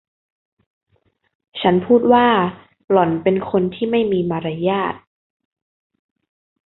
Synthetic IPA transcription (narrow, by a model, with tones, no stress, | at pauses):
t͡ɕʰa˦˥npʰuː˥˩t̪̚waː˥˩ | lɔ˩˦npe˧nkʰo˧nt̪ʰiː˥˩ma˥˩jmiː˧maː˧ɾa˧jaː˥˩t̪̚